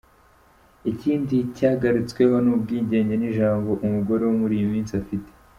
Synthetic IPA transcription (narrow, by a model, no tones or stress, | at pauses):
iciːndicaːɡaɾit͡swe̞ɦo̞nuːb̚ɡiːɲɟe̞ːɲɟe̞niʒaːmbo̞ʔumuɡo̞ɾe̞womuɾijimiːnsiafite̥